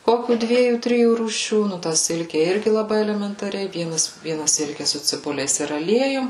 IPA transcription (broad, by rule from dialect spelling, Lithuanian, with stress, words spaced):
ˈkoːkʲuː ˈdʲʋʲiɛjuː ˈtʲrʲɪjuː ruːˈʃʲuː ˈnʊ tɑː ˈsʲɪlʲkʲɛ ˈɪrʲɡʲɪ lˠɐˈbɐɪ ɛlʲɛmʲɛntɐˈrʲɛɪ ˈʋʲiɛnɐs ˈʋʲiɛnɐ ˈsʲɪlʲkʲɛ sʊ t͡sʲɪˈbʊlʲɛɪs ɪr ɐˈlʲiɛjʊm